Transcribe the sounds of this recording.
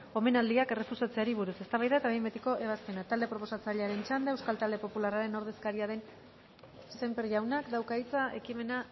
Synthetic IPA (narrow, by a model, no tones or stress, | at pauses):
o̞me̞nald̪iakere̞fusat͡se̞aɾiβ̞uɾuse̞st̪aβajðaet̪aβimbet̪eko̞ʔe̞β̞aspe̞nat̪ald̪e̞pɾo̞po̞sat͡saʎe̞aɾe̞nt͡ʃand̪eewskalt̪ald̪e̞po̞pularaɾe̞no̞ɾð̞e̞skaɾiaðe̞n | se̞mpeɾʝawnakd̪awkaijt͡saʔe̞kime̞na